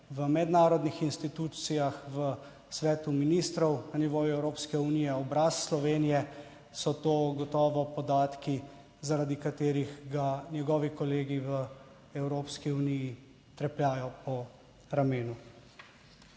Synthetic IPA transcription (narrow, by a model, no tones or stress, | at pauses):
ʋəmɛd̪naːɾɔd̪nixinst̪it̪uːssijaxʋə | sʋɛːt̪uminist̪ɾɔwnaniʋoːjuɛwɾoːpskɛunijɛɔbɾasːlɔʋeːnijɛ | sɔt̪oːɡɔt̪ɔːʋɔpɔd̪aːt̪ki | zaɾad̪ikat̪eːɾiɣɡanjɛɡɔːʋikɔleːɡiʋə | ɛwɾoːpskiuniji | t̪ɾɛpljaːjɔpɔ | ɾameːnu